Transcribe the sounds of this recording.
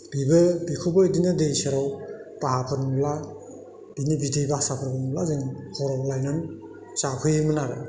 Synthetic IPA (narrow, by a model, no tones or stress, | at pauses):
bibɯbikʰubɯidinɯdejseɾawtaɦapʰɯɾmumla | d̥inibidejbasapʰɯɾbʰɯnublazɯŋhʰɔɾɔblajnan | sapʰɯjmɯnaɾɯ̰